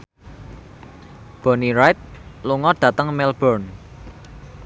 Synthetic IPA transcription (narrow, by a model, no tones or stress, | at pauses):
b̥ɔ̤niɾajt̪̚luŋɔɖ̥ä̤t̪əŋmɛlb̥ɔrn